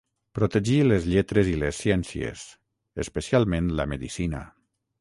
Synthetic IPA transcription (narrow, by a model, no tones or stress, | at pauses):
pɾot̪eʒilezʎet̪ɾezilesːjɛnsjḛs | espesialˠmẽnləmeðisinə̰